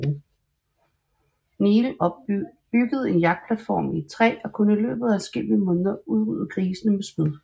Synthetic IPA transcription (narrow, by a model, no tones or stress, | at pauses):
niːl̩ | b̥yɡ̥əð̞̩ˠe̝njɑ̈ɡ̥̚d̥̚pʰlæd̥fɒ̰ːmit͡sʰʁɛ̰ːɒ̽kʰɔ̽nilø̰ːb̥ð̞̩ˠæsɡ̥ḛb̥imɔ̽ːnðˠɐuð̞ˠʁy̰ð̩ˠɡ̥ʰʁiːsənəmesm̥iðˠ